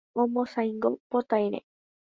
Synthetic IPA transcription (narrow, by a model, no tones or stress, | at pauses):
omosajŋɡopot̪ajɾḛ